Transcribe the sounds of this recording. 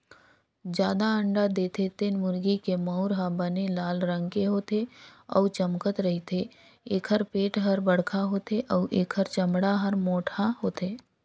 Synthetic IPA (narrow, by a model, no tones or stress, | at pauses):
d͡ʒjaːd̪aə̃ɳɖad̪eːt̪ʰet̪ɪnmʊɾɡikemɔʊɾɦabənelaːlɾə̃ŋɡkeɦoːt̪eɔ̰ːt͡ʃəmkət̪ɾɐɦit̪ʰe | eːkʰəɾpeːʈɦɐɾbəɽ̤kʰaɦoːt̪ʰeʔɔːʔeːkʰəɾt͡ʃɐmɽaɦəɾmoːʈʰaɦoːt̪eː